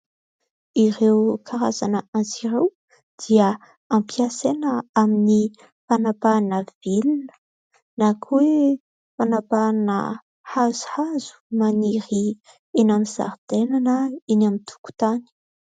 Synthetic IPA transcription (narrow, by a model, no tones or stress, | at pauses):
iɾewkʰaɾazanəʔanziɾew | d̪̥iə | ampiasenəamini | fanapanəvilunə̥ | nakʰwe | fanapanə̰ | hazu̥hazu̥maniɾi | enamiza̰ɾd̪̥enanəinamit̪ʰu̥ku̥t̪ani̥